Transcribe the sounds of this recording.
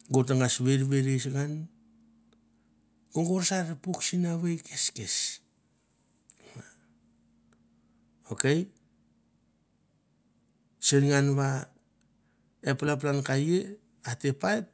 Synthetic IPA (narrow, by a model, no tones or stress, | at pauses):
ɡotaŋasβe̞ɾβeɾesŋan | ɡ̥oŋɡoɾsaɾepuksinaβejkʰeskes | a | oke̞j | seɾŋanβa | epalap̬lankaje | ate̞paet̚